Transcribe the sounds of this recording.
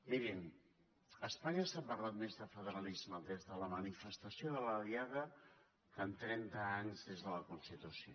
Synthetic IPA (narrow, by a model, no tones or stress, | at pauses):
miɾin | əspaɲəsapərlat̪mezðəfəðəɾalizməðezðələmənifəst̪əsjoðələliaɣə | kənt̪ɾɛnt̪əaɲzðezðələkunst̪it̪usjo